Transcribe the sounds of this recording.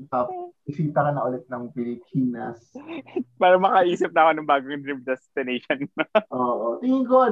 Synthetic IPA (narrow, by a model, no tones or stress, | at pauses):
ɐpɪsiːt̪ɐɾɐnɐʔʊlɛt̪̚nɐŋpɪlɪpʰiːnɐ̰s | paːɾɐmɐkɐʔiːsɪp̚nɐkonɐŋbaːɡoŋd̪ɹim̚d̪ɛst̪ɪnɛjʃonʔoːʔot̪ɪŋɪŋko